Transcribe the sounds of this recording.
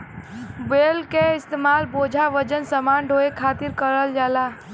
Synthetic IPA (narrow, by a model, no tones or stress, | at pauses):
belkeɪst̪emalbod͡ʒʱaʋəd͡ʒənsəmanɖʱoekʰat̪iɾkəɾəld͡ʒala